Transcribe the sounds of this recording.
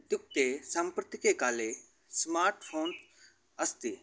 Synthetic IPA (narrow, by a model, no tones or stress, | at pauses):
d̪jʊk̚t̪esãmpɾət̪ikekaːle | smaːɾʈpʰoːn | ɐst̪i